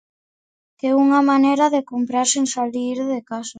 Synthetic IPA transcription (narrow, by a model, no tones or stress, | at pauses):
keuŋamaneɾaðekompɾaɾseŋsaliɾðekasa